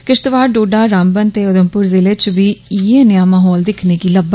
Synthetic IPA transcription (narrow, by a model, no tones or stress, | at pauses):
kɪʃt̪ʋaːɾɖoːɖaːɾaːmbənt̪eːʊd̪əmpʊɾzɪleːt͡ʃʋiːiːeːnɪjaːmaːɦɔːld̪ɪkʰneːkiːləb